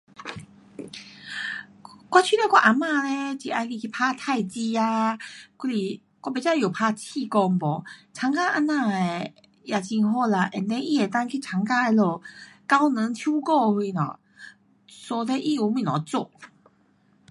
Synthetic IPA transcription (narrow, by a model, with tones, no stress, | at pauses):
kwa˧t͡ɕʰi˥˧˨le˧kwa˧ʔa˧˩mã˧le˧t͡ɕi˨˩ʔa˧ki˧kʰi˧˩pʰa˧t̪ʰa˥˧˨jt͡ɕi˧a˧ku˧li˧˩ | kwa˧˩be˧˦t͡ɕa˧˨ju˨˩pʰa˧t͡ɕʰi˥˧˨kɔ˧ŋbɔ˨˩t͡sʰa˧˦ŋka˥ʔa˧nã˧˩e˨˩ | ja˧˩t͡ɕi˧ŋɦɔ˥˧˩la˧˩ʔɛ˨˩nt̪ẽ˧˦ʔi˦˧˨e˨˩t̪a˥˧ŋkʰi˧˩t͡sʰa˧˦ŋka˧e˧lɔ˧˩ka˦wnə˨˦ŋt͡ɕʰju˦kɔ˥˧hi˧nɔ̰˨˩ | sɔ˧le˧˦ʔi˧u˨˦mĩ˧˨nɔ̰˨˩t͡so˧˨